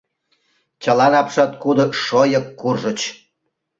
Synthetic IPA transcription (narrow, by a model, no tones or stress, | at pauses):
t͡ɕəlɑnɑpʃɑt̪̚kud̪oʃojəkːurʒət͡ɕ